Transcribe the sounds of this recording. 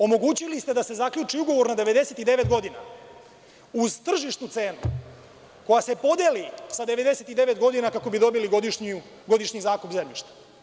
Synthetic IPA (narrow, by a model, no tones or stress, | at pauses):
o̞mo̞ɡut͡ɕilist̪e̞d̪ase̞zakʎut͡ʂiuɡo̞ʋo̞ɾnad̪e̞ʋe̞d̪e̞set̪id̪e̞ʋe̞t̪ɡo̞d̪ina̰ | uzt̪r̩ʒiʃt̪nut̪se̞ːnu | ko̞jase̞po̞d̪jelisad̪e̞ʋe̞d̪e̞se̞t̪id̪e̞ʋe̞t̪ɡo̞d̪inakako̞bid̪o̞biliɡod̪iʃɲ | ɡo̞d̪iʃɲizaːkupzemjiʃt̪ḁ